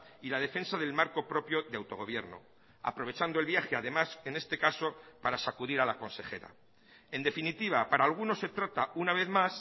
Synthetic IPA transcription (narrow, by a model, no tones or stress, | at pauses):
ilað̞e̞fe̞nsaðe̞lmaɾko̞pɾo̞pjo̞ðeawt̪o̞ɣ̞o̞β̞je̞ɾno̞̰ | a̰pɾo̞βe̞t͡ʃand̪oe̞lβjaxeaðe̞mase̞nest̪e̞kaso̞paɾasakuðiɾalako̞nse̞xe̞̰ɾa̰ | end̪e̞finit̪iβ̞apaɾaːlɣ̞uno̞se̞t̪ɾat̪aunaβ̞e̞θmas